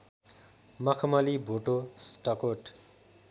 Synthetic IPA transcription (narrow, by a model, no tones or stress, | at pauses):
mʌkʰʌmalibʱoʈosʈʌkoʈ